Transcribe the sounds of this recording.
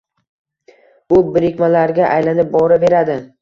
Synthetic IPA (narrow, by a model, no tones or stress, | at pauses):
bʊbɪɾɪkʲmalaɾɡʲaʔajlanɪp̚bɒɾɪbe̞ɾad̪ɪ